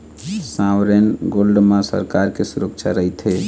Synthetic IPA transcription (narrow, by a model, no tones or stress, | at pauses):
sãwɾenɡolɖmãsə̰ɾkaɾkesuɾəkt͡ʃʰaɾəɦit̪ɦe